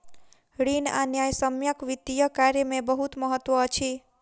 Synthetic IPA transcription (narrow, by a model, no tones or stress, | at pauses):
ɽina̰njajsəmjəkʋid̪ijəkaɾjəmẽbəɦut̪məɦət̪ʋəət͡ʃʰi